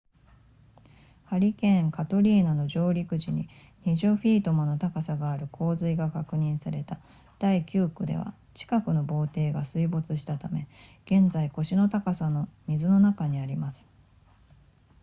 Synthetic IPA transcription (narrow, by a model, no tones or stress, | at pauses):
haɾʲikẽ̞ŋkat̪o̞ɾʲiːnano̞ʑo̞ːɾʲikɯ̟ʑiɲ̟ḭ | ɲ̟iʑoɸʲiːt̪o̞mono̞t̪akasaɡaːɾɯ̟kʰo̞ːzɨiɡakakɯ̟ɲ̟ĩɰ̃saɾe̞t̪a | d̪̥aikʲɯːkɯ̟d̪e̞̰βa̰ | t͡ɕi̥kakɯ̟no̞bo̞ːt̪e̞ːɡasɨibo̞t͡sɨɕi̥t̪at̪ame̞ɡ̥ẽ̞nd͡zaiko̞ɕino̞t̪akasano̞mʲizɨno̞nakaɲ̟iaɾʲimasɨ̥